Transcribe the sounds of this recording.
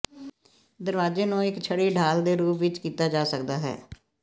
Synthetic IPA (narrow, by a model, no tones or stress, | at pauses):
d̪əɾʋaːd͡ʒeːnũːɪkt͡ʃʰəɽiːɖʱaːld̪eːɾuːpʋɪt͡ʃkiːt̪aːd͡ʒaːsək̚d̪aːɦɛ̰ː